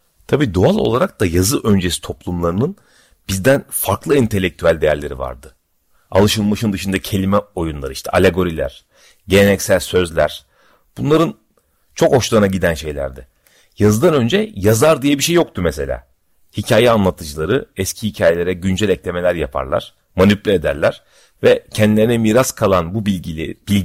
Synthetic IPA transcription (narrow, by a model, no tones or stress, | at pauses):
t̪ʰabiːd̪oalˠo̰lˠaɾak̚d̪ajazɯʔø̞nd͡ʒesi̥t̪ʰo̞plˠumlˠaɾɯnɯn | b̥izd̪ænfaɾklˠɯint̪ʰe̞lʲːec̚t̪ʰyælʲd̪e̞jæɾlʲe̞ɾḭva̰ɾd̪ɯ | a̰lˠɯʃɯlˠmaʃɯnd̪ɯʃɯnd̪acʰe̞lʲimɛo̞junlˠaɾɯiʃt̪ʰɛʔalʲeɡo̞ɾilʲæ̰ɾ̥ | ɟe̞nenɛcsælʲsø̞zlʲæ̰ɾ̥ | b̥unlˠaɾɯn | t͡ʃʰo̞kho̞ʃlˠanaɟid̪ænʃe̞jlʲæ̰ɾd̪ɪ | jazɯd̪anø̞nd͡ʒɛjazaɾd̪ijɛbiʃe̞jːjok̚t̪ʰumese̞lʲa̰ː | hicʰaːjɛanlˠat̪ʰɯd͡ʒɯlˠaɾɯɛscʰihicʰaːjelʲe̞ɾɛɟynd͡ʒɛlʲɛclʲe̞me̞lʲæɾjapʰa̰ɾlˠa̰ɾ̥ | manyplʲied̪æ̰ɾlʲæɾ̥ | vɛcʰɛnd̪ilʲe̞ɾinɛmiːɾaskʰalˠanbubib̥ilʲ